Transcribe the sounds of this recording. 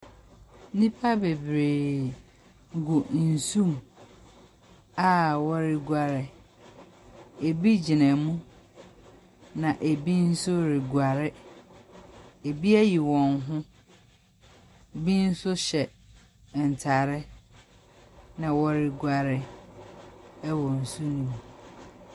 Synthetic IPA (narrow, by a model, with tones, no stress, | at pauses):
nĩ˦pʰa˦be˨bɾeː˨ | ɡu˨n̩˨sũ˦m | a˦wɔ˦ɾɪ˨ɡa˨ɾɪ˦ | e˨bi˦d͡ʑi˨nɛ̃˨mũ˦ | nã˨ʔe˨bi˦n̩˦sʊ˦ɾɪ˨ɡwa˨ɾɪ˦ | e˨bi˦æ˦ji˨wɔ̃˨nɦʊ̃˦ | bi˦n̩˦sʊ˦ɕɛ˨ | n̩˨tʰa˨ɾɪ˦ | nã˨wɔ˦ɾɪ˨ɡwa˨ɾɪ˦ | wɔ˨n̩˨su˦nĩ˨m˨